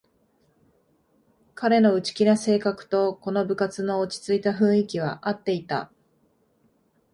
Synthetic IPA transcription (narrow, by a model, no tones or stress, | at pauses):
kaɾe̞no̞ɯ̟t͡ɕi̥kʲinase̞ːkakɯ̟̥t̪o̞ko̞no̞bɯ̟kat͡sɨno̞ːt͡ɕi̥t͡sɨit̪aɸɯ̟̃ɰ̃ikʲiβ̞a̰ʔat̪ːe̞it̪a̰